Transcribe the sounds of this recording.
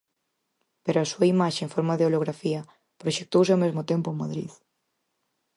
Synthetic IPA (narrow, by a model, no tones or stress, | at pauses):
peɾoasuaimaʃeːɱfoɾmaðeoloɣɾafiɐ | pɾoʃek̚t̪owsɪawmezmʊt̪empʊemaðɾḭð